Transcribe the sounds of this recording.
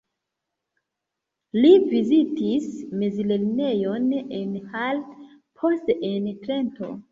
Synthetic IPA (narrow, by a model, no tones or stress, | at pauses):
livizitismezilelne̞jo̞nenhal | pʰo̞steentɾe̞nto̞̰